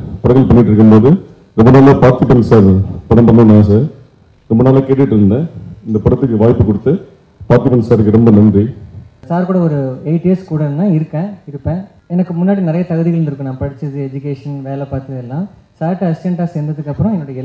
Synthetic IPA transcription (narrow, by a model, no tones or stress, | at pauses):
pɐɽɐŋɡɐlpɐɳːɪʈːɪɾɯkːɯmpoːðɯ | ɾɔmbɐnaːlaːpaːɾt̪ipɐnsaːɾpɐɽɐmpɐnd̪ɐ̃naːs̬ɐ | ɾɔmbɐnaːlakeːʈːɪʈːɪɾɯnɐ̃ɪnd̪ɐpɐɽɐt̪ːɯkːɯʋaːjpːɯkɔɽɯt̪ːɯ | paːɾt̪ɪpɐnsaːɾɯkːɯɾɔmbɐnɐndrisaːɾkuːɽɐɔɾɯeɪʈːiɛskuːɽɐnãːɪɾɯkːẽːɪɾɯpːẽː | ɛnɐkːɯmʊnːaːɽinɪɾɐjɐt̪ɐɣɐðɪɣɐɭɯnɖɪɾɯkːɯ̃nãːpɐɽɪt͡ʃːɯðɯɛd͡ʒʊkeːʂɐnʋeːlɛpaːɾt̪ɯðɛlːãː | saːɾʈɯɐsɪɛɳʈaːsɛjnd̪ɐðɯkːɐpːɯɾɔ̃ɛnːoːɽɐjɛ